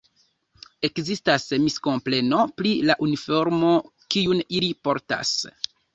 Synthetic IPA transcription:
e̞kzistasmisko̞mple̞no̞plilaʔunifo̞ɾmo̞ | kiunilipo̞ɾta̰s

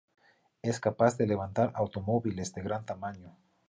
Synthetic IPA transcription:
eskapazðeleβ̞ant̪aɾawt̪omoβilesd̪eɣɾant̪amãɲo

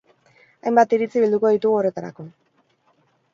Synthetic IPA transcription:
ajmbat̪iɾit͡siβild̪uko̞ðit̪uɣuo̞re̞t̪aɾa̰ko̞

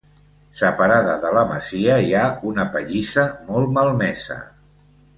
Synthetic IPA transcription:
səpəɾaðəðələmə̰ziəiaunəpəʎisəmɔlˠməlˠmɛsə̰

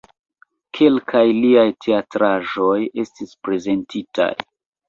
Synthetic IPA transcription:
kʰe̞lkʰajliajtʰe̞atɾaʒo̞je̞stispɾe̞ze̞ntita̰j

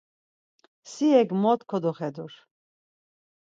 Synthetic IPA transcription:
siɛɡmɔt̪kʰɔd̪ɔχɛd̪uɾ

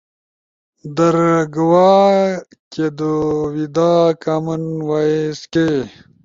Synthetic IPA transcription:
d̪ɐɾɡwaː | ked̪uwid̪aːkamɐnwaeske

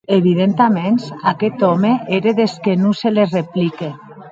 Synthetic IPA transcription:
eβ̞ið̞ent̪amensaket̪omeʔeɾeðeskenũselezreplike

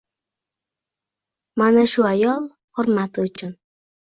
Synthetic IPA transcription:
manaʃuajɑlˠ | hʊɾmat̪ʊt͡ʃɪn

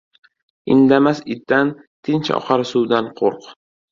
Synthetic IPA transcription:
ɪ̰nd̪amasɪt̪ːant̪ʰɪnt͡ʃɒ̰qʰɑɾɪsuwd̪anqʰoɾq

